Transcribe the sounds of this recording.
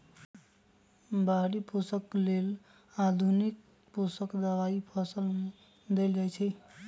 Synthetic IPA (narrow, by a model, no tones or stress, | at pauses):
baɽipusəklel | ad̪ʱunik̚ | pusəkd̪əʋaipʰəsəlme | d̪elɡəjt͡ʃʰɛ